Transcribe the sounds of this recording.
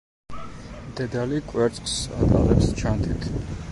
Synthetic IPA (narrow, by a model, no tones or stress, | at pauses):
md̪ɛd̪alikʼwɛɾt̪sʼqʼsat̪ʼa̰lɛpst͡ʃʰand̪ʰit̪ʰ